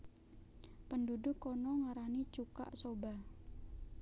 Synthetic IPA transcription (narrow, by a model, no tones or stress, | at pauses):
pəndudʊkːɔnɔŋaɾanit͡ʃuka̰ʔsoba